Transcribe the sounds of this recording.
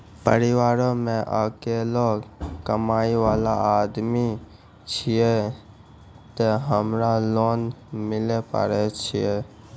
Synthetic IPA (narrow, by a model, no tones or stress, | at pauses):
pə̰ɾiwaːɾõmẽʔəkelɔkəmaːiʋaːlaad̪mi | t͡ʃʰije | t̪eɦəmɾaloːnmɪlepə̰ɾɛt͡ʃʰije